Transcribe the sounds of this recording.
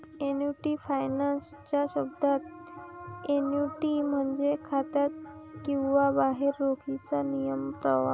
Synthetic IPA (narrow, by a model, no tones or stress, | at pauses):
enjuʈifajnanst͡ɕjaɕəbd̪ʱat̪ | enjuʈim̤əɳd͡zekʰat̪at̪̚kĩw̃ʋabaɦeɾːokʰit͡sanijəmpɾəʋa̰